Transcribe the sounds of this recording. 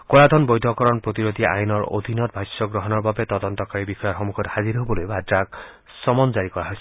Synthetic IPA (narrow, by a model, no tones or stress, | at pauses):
koɹadʱɔnbɔjdʱɔkɔɹɔnpɹot̪iɹot̪iʔa̰jnɔɹo̰d̪ʱinɔt̚bʱajsɔɡɹɔɦɔnɔɹbabɛt̪ɔd̪ɔntɔkaɹibixɔjɔxɔmukʰɔthaziɾɦobɔlojbʱadɹak | sɔmɔnzaɹikɔɹaɦɔjsɛ